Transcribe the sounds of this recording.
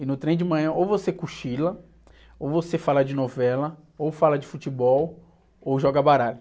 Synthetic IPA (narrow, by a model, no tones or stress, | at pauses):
ɪnʊt̪ɾẽj̃d͡ʒɪmɐ̃j̃ɐ̃ʔowvosekuʃilɐ | owvosefalɐd͡ʒɪnovɛlɐ | owfalɐd͡ʒɪfut͡ʃibɔw | owʒɔɡɐbaɾalʊ